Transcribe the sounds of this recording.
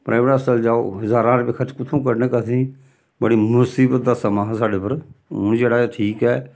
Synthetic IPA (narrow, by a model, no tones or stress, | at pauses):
pɾaɪʋɾəsəld͡ʒaːo̰ːɦɪzaːɾãːɾeːbɪkʰət͡ʃkʊt̪ʰũːkəɾneːkət̪ʰĩː | bəɽiːmʊsiːbət̪̚d̪aːsəmaːɦsaːɖeːpəɾʊnd͡ʒeːɽaːʈʰiːkɛː